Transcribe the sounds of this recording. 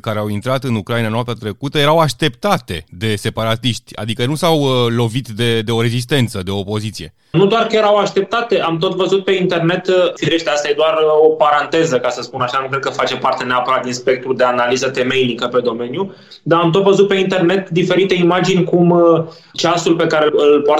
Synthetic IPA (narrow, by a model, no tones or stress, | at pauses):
kaɾeawint̪ɾat̪ɨnukɾainanoapt̪at̪ɾe̞kut̪əje̞ɾawaʃt̪e̞pt̪at̪e̞d̪e̞se̞paɾat̪iʃt̪ʲa̰d̪ikənusawlo̞vit̪d̪e̞d̪e̞o̞ɾe̞zis̬t̪e̞nt̪səd̪eo̞ːpo̞zit̪sije̞ | nud̪oarkəjeɾawaʃt̪e̞p̚t̪at̪e̞ʔamt̪o̞t̪vəzut̪̚pe̞int̪e̞rne̞t̪fiɾe̞ʃt̪east̪ajed̪oaropaɾant̪e̞zəkasəspunaʃanukɾed̪kəfat͡ʃe̞part̪e̞neapəɾat̪̚d̪inspek̚t̪ɾuld̪e̞analizət̪e̞me̞jnikəpe̞d̪o̞me̞nju | d̪aːmt̪o̞t̪vəzut̪̚peint̪e̞rne̞t̪d̪ife̞ɾit̪e̞imad͡ʒinʲkum | t͡ʃasulpe̞kaɾeɨlpoa